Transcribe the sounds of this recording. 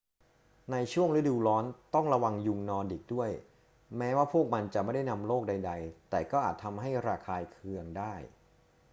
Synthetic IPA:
na˧jt͡ɕʰu˥˩əŋlɯ˦˥duː˧lɔː˦˥nt̪ɔ˥˩ŋɾa˧wa˧ŋju˧ŋnɔː˧ndi˨˩k̚du˥˩əj | mɛː˦˥waː˥˩pʰu˥˩ək̚ma˧nt͡ɕa˨˩ʔma˥˩da˥˩jna˧mloː˥˩k̚da˧jda˧jt̪ɛː˨˩kɔː˥˩ʔaː˨˩t̪ʰːa˧mɦa˥˩jɾaː˧kʰaː˧jkʰɯ˧əŋdaː˥˩j

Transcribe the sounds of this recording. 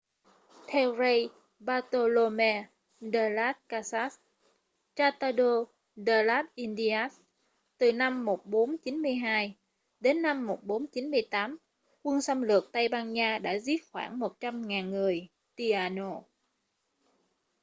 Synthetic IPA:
t̪ʰɛ˧wzə˧j | ɓaː˧t̪o˧lo˧mɛ˧ | ɗə˧laː˦˥t̚kaː˧sa˦˥s | t͡ɕaː˧t̪aː˧ɗo˧ | ɗə˧laː˦˥p̚ʔi˧nɗi˧a˦˥s | t̪ɨ˨˩na˧mːo˨˩t̚ɓo˨˦nt͡ɕi˨˦nmɨ˧əjɦaː˧j | ɗe˨˦nːa˧mːo˨˩t̚ɓo˨˦nt͡ɕi˨˦nmɨ˧əjt̪aː˨˦m | kwə˧ŋsə˧wmlɨ˨˩ək̚t̪a˧jɓaː˧nɲaː˧ɗa̰ː˧˥zi˦˥p̚xwa̰ː˧˩nmo˨˩t̚t͡ɕa˧mŋaː˨˩nŋɨ˨˩əj | t̪i˧ʔaː˧no˧

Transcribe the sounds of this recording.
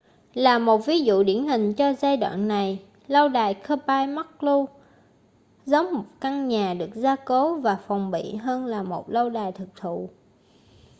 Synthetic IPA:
laː˨˩mo˨˩t̚vi˨˦zṵ˧˨ɗi˧˩ənɦï˨˩ŋ̟t͡ɕɔ˧zaː˧jɗwa̰ː˧˨nːa˨˩j | lə˧wɗaː˨˩jkʰəː˧paː˧jma˦˥k̚lu˧ | zə˨˦wŋ͡mmo˨˩t̚ka˧ŋɲaː˨˩ɗɨ˨˩ək̚zaː˧ko˨˦vaː˨˩fɔ˨˩wŋ͡mɓḭ˧˨ɦəː˧nlaː˨˩mo˨˩t̚lə˧wɗaː˨˩jt̪ʰɨ˨˩k̚t̪ʰṵ˧˨

